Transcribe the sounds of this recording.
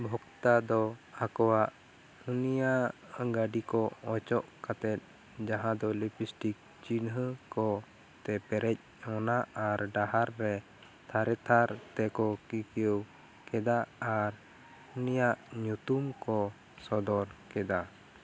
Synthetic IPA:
bʱɔkt̪ad̪ɔakɔwaʔ | unijaʔɡaɖikɔɔt͡ʃɔʔkat̪ɛt̪̚ | d͡ʒaɦãd̪ɔlipisʈik̚ | t͡ʃinɦəkɔ | t̪ɛpɛɾɛc̚ | ɔnaaɾɖaɦaɾːɛ | t̪ʰaɾɛt̪ʰaɾt̪ɛkɔkikiəw | kɛd̪aaɾ | unijaʔɲut̪umkɔ | sɔd̪ɔɾkɛd̪a

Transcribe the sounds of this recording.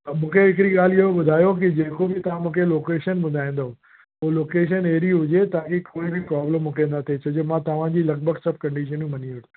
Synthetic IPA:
ɐmũːkʰeɪkɪɾiɠaːlijoẽɓʊd̪ʱaːjok̬ɪd͡ʑeːkobɪt̪ɐʋ̤ãmũːkʰeloːkeːʃənbʊd̪ʱaːĩːn̆d̪o | oːloːkeːʃ̬əneːɾiɦʊd͡ʑet̪aːkikoːibʱɪpɾɔːblomʊkẽːnd̪at̪ʰet͡ɕʰɐd͡ʑomãt̪ɐʋ̤ãd͡ʑiːlɐk̚bʱəɡsɐb̚kɐ̃ɳɖiʃənũmɐniʋɐɾ

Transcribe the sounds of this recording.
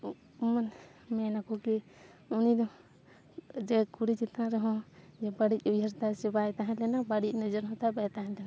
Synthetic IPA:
umanmɛnakɔki | unid̪ɔ | d͡ʒɛkuɾit͡ʃit̪ãɾɛɦɔ̃d͡ʒɛbaɽicuəɾt̪asɛbajt̪aɦɛ̃lɛnabaɽic̚nəd͡ʒəɾɦɔ̃t̪abajt̪aɦɛ̃lɛna

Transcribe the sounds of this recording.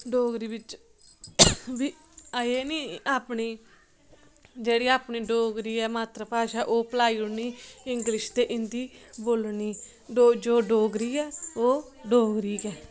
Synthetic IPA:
ɖoːɡɾiːʋɪt͡ʃ | biː | aeːniːaːpniː | d͡ʒeːɽiːaːpɳiːɖoːɡɾiːɛːmaːt̪ɾəpaːʃaːʔoːpəlaːiːʊɽniːɪŋɡlɪʃt̪eːʔɪnd̪iːboːlniː | ɖoːd͡ʒoːɖoːɡɾiːɛːoː | ɖoːɡɾiːkɛː

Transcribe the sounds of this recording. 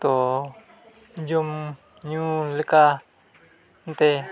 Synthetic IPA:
t̪o | d͡ʒum | ɲũləka | nt̪e

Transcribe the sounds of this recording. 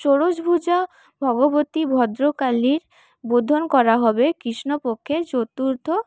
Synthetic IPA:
t͡ɕoɽod͡ʑbʱud͡ʑa | bʱɔɡobot̪ibʱɔd̪ɾokaliɾ | bod̪ʱonkɔɾaɦɔbekɾiʃnopokʰːed͡ʑot̪uɾt̪ʰo

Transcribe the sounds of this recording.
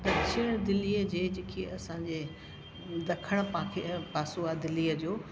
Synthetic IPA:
d̪ɐɾʃɪəɽ̃d̪ɪliːəd͡ʑeːd͡ʑeːkʰeɐsãːd͡ʑe | d̪ɐkʰəɽ̃paãkʰepaːsoaːd̪ɪliːəd͡ʑoː

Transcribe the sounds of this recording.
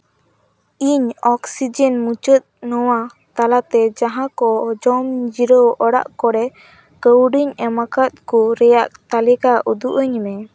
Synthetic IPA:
iɲɔksid͡ʒɛnmut͡ʃət̪̚nɔwa | t̪alat̪ɛd͡ʒaɦãkɔd͡ʒɔmd͡ʒiɾɔɔɽa̰ʔkɔɽɛ | kəwɖiɲɛmakat̪̚kuɾɛjaʔt̪alikaʔud̪uʔəɲmɛ

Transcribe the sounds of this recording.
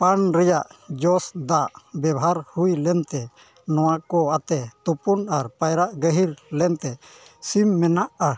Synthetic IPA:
panɾɛjaʔd͡ʒɔsd̪aʔbjɛbaɦaɾhujlɛnt̪ɛ | nɔwakɔat̪ɛt̪upunaɾpajɾaʔɡəɦiɾlɛnt̪ɛsimːɛnaʔa

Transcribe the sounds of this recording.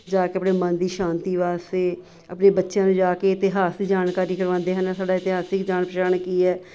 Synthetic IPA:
d͡ʒaːkeəpɽeːmənd̪iːʃãːnt̪iːʋaːst̪eː | əpneːbətːʃjãːnũːd͡ʒaːkeːɪt̪ɪɦaːsd̪iːd͡ʒaːnkaːɾiːkəɾʋãːnd̪eːɦənɛːsaːɖaːɪt̪ɪɦaːsɪkd͡ʒaːnpəʃaːɳkiːɛː

